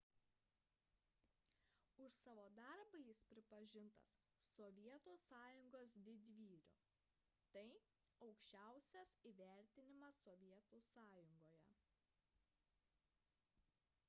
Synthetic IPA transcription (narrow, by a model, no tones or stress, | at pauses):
ʊʃsɑːʋoːd̪ɐɾbɐjɪspʲɾʲɪpɐʒʲɪnt̪ɐ̰s | sɔʋʲiɛt̪uːsɑːjʊŋɡoːsd̪ʲɪd̪ʲʋʲiːɾʲʊ̰ | t̪ɐɪ | ɒʊkʃʲt͡ʃʲæˑʊsʲɛsiːʋʲæˑɾʲt̪ʲɪnʲɪmɐsːɔʋʲiɛt̪uːsɑːjʊŋɡoːjɛ̰